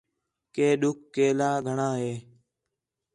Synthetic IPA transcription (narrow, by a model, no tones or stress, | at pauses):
keːɗʊkːeːlaːɡʱəɳãːɦeː